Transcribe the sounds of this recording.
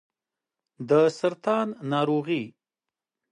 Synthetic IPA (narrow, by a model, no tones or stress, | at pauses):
d̪əsaɾt̪ɑnːɑɾoɣi